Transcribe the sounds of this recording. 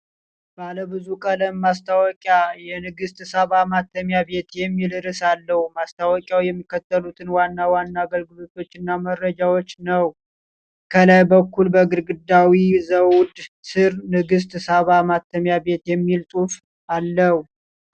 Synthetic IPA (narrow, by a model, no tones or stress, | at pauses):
b̥aləbɨzukʼələmːast̪ʰawɔkʼjajɛnɨɡɨst̪ɨsaβamat̪ʰːəmjaβe̞t̪jɛmːilɨɾɨsalːəhumast̪ʰawɔkʼjawjɛmːikːət̪ːəlut̪ʰɨnwanːawanːaːɡəlɡɨlo̞t̪ʰo̞t͡ʃːɨnːaməɾːəd͡ʒawot͡ʃːnəw | kʰəlajbəkʰːulbəɡɨɾɡɨd̪ːawizəwd̪sɨɾnɨɡɨs̬t̪ʼsaβamat̪ʰːəmjabe̞t̪jɛmːilt̪ʼuf | alːəw